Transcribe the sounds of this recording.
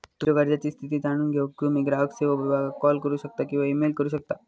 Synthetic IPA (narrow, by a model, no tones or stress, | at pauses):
t̪ud͡ʑoʋəɾd͡ʑat͡ɕiːst̪ʰit̪̬iːd͡zaɽ̃uːnɡʱokimiɡɾaʋəkseʋəʋibʱaɡakɔlkəɾuɕək̚t̪akĩw̃ʋaimelkəɾuɕ̬ək̚t̪a